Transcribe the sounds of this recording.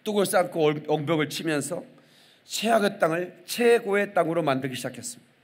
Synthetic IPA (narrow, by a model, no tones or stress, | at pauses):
t͈oɡɯɭs͈aŋkʰoʌŋbjʌɡɯɭt͡ɕʰimjʌnsʰʌ | t͡ɕʰeɦaɡet͈aŋɯɭt͡ɕʰeɡoet͈aŋɯɾomandɯɾɡiɕʰd͡ʑakʰe̞s͈ɯmɲidaaa